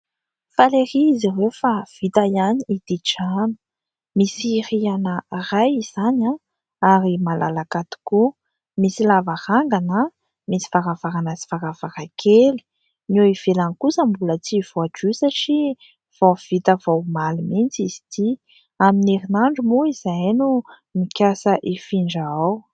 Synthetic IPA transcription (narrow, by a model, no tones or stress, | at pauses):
faleɾiːzirewfav̥it̪ajaniid̪̥iʈ͡ʂanə̥ | misirianərajiz̥ana | aɾimalʔalakat̪u̥ku | misilavahaŋɡanə | misi̥vaɾavaɾanazi̥vaɾavaɾakʰeli̥ | noiv̥elanikusəmbulət͡siv̥oaʈ͡ʂusaʈ͡ʂi | v̥ov̥it̪əvowmalimint͡siz̥i̥t̪ʰi | amineɾinaɳɖ͡ʐumuizaanu | mikʲjasəʔifiɳɖ͡ʐaaw